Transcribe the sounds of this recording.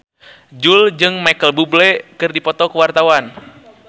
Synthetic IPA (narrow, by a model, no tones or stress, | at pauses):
d͡ʒuld͡ʒɨŋmajkəlbublɛkɨrdipɔt̪ɔkuwart̪awan